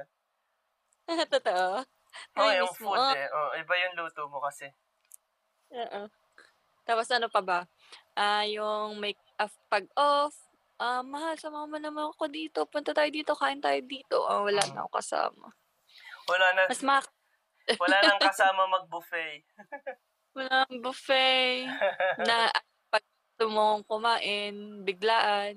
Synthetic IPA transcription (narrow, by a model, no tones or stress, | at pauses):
at̪ot̪oʔo | mojʊŋfmuɛʔoʔɛbajʊŋluːt̪omokɐsɛ | ʔoːʔo | t̪aːposʔɐnopɐbɐ | ʔajʊŋmɐj | ʔɐfpɐɡ̚ʔof | ʔamːɐhalsɐmɐamɐnːɐmɐnɐkod̪iːt̪o̞pʊnt̪ɐt̪aːjod̪iːt̪o̞kaːʔɪnt̪aːjod̪iːt̪o̞̰ʔa̰wɐla̰ːnɐ̰o̰kɐ̰sa̰ːmɐ̰ | wɐlanɐmɐsmak | wɐlanɐŋkɐsaːmɐmɐɡ̚bʊfɛj | wɐlaɐŋbʊfɛjnɐʔɐ | pɐɡ̚ | t̪omoŋkʊmaːʔɪnbɪɡlaːʔɐn